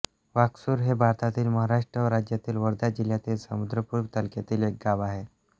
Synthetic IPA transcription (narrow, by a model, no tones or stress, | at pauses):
ʋaksuːɾɦebʱaɾt̪at̪iːlməɦaɾaʂʈɾəʋəɾad͡ʑjat̪iːlʋəɾd̪ad͡ʑiljat̪iːlsəmud̪ɾəpuːɾʋt̪əlket̪iːlek̚ɡaʋaɦe